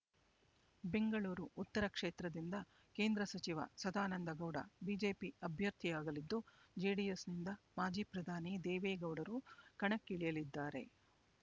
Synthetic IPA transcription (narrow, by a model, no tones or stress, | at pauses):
be̞ŋɡɐɭuːɾuːt̪ːɐɾɐkʂeːt̪ɾɐd̪ind̪ɐ | ke̞ːnd̪ɾɐsɐt͡ʃiʋɐ̰sɐd̪aːnɐnd̪ɐɡɐwɽɐ̰biːd͡ʒe̞ːpiɐbʱjɐɾt̪ʰijaːɡɐlid̪ːud͡ʒiːɖijesnind̪ɐmaːd͡ʒiːpɾɐd̪ʱaːnid̪eːʋeːɡɐwɽɐɾukɐɳɐkːiɭijɐlid̪ːaːɾe̞̰